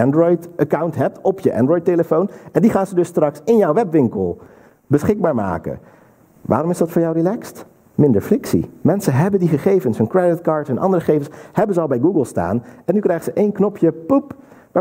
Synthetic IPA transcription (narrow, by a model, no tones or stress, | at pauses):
ɛndrɔjtʔakawntɦɛp̚tɔpjəʔɛ̰ndrɔjteləfownɛndiχaːnzədɵsːtrɑksɪnjɔwʋɛpʋɪŋkəlˠ | bəsχɪɡ̚baːɹma̰ːkə̰ | ʋa̰ːɾɔmɪzdɑtfʊːɹjɑwrilɛkst | mɪndəɹflɪksḭmɛnsənɦɛbəndiχəχejvənsɛnkɹɛdɪt̚kɑːɹtɛnʔɑ̰ndərəχejvənshɛbənzəɑlˠbɛjɡuɡəlˠsta̰ːnɛnːykrɛjχəzəʔejnknɔpʰjəpup | ʋaː